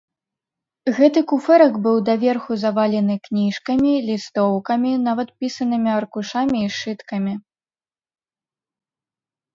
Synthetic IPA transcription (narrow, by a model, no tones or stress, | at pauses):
ɣɛt̪ɨkufɛɾɐkbɨwd̪ɐvʲɛrxuzɐvalʲɛnɨknʲiʂkɐmʲilʲist̪ɔwkɐmʲinavɐt̪̚pʲisɐnɨmʲiɐrkuʂamʲiːʂɨt̪kɐmʲi